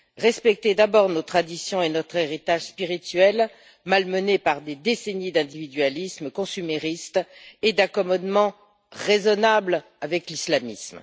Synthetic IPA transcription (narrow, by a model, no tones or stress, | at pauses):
ʁɛspɛk̚t̪ed̪abɔʁnot̪χad̪isjɔ̃enɔt̪χeʁit̪aʒspiʁit̪ɥɛl | malmənepaʁd̪ed̪esenid̪ɛ̃d̪ivid̪ɥalisməkɔ̃symeʁist̪ed̪akɔmɔd̪mɑ̃ | ʁezɔnabl | avɛklislamism